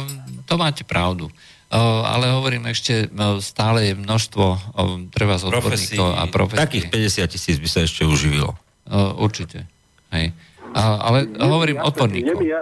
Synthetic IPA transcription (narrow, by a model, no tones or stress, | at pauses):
t̪ɔmaːcɛpɾaʊd̪u | a̰lɛɦɔʋɔɾiːmɛʃcɛst̪aːlɛjɛmnɔʃst̪ʋɔt̪ɾɛʋazɔd̪bɔɾɲiːkɔʊa̰pɾɔ̰fɛt̪akiːxpɛɟɛsɪat̪̚cisiːd͡zbisaɛʃcɛuʒiʋḭlɔ̰ | ʔuɾt͡ʃicɛ | ɦɛj | ʔʔa̰lɛɦɔʋɔɾiːmɔd̪̚bɔɾɲiːɔ